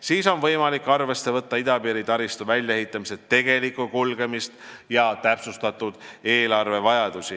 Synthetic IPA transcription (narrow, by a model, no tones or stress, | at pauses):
siːso̞nvɤjmɑlikːˑɑrve̞sːe̞vɤt̪ːɑid̪ɑpiːɾit̪ɑɾist̪uvælʲjɑehit̪ˑːɑmise̞t̪ːe̞ɡe̞likˑukulɡ̥e̞mist̪jɑt̪æpsust̪ɑt̪ːˑud̪̥e̞ːlɑrve̞vɑjɑd̪̥usi